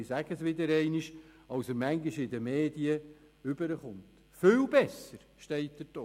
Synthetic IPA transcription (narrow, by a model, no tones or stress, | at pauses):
ɪsæɡ̥əsʋɪd̪əɾɛɪniʃ | ɑlsəɾmæŋɡɪʃɪd̪əmeːdiə | ʏbəɾəχʊnt̪ | fɪlbɛsəɾ | ʃtɛɪt̚d̥̪əto